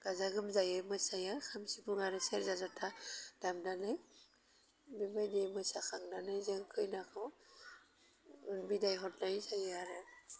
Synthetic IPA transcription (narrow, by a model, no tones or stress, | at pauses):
ɡ̥azaɡɯmzajɯmɯsajakʰamsipuŋaɾɯseɾzazatʰad̥amdanɯj | bibajdemɯsakʰaŋdanɯjzeŋkʰɯjnakʰɯw | ɯnbidajɦɔtnajzajɯaɾɯ